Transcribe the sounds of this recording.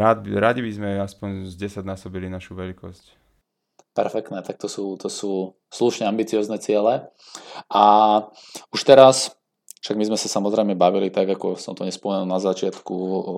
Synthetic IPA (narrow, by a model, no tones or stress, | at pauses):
ad̪bɾaɟibizmɛaspɔɲzɟɛsaɟnasɔbilinaʃuʋɛlikɔsc | pɛɾfɛk̚t̪nɛːt̪ak̚t̪ɔsuːt̪ɔsuː | sluʃɲɛambit͡siɔːznɛt͡sɪɛlɛ | ʔa | uʃt̪ɛɾas | fʃaɡmizmɛsasamɔzɾɛɪmɛbaʋilit̪aɡakɔsɔmt̪ɔɲɛspɔmɛnulnazat͡ʃɪat̪ku